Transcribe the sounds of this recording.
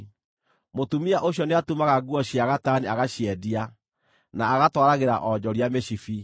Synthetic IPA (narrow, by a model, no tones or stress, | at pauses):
motumiaʔoɕ̬jɔneatumaɣaɡuɔɕiaɣataniaɣaɕjɛdia | naːɣatwaɾaɣeɾa̰ʔɔd͡ʑɔɾiameɕifi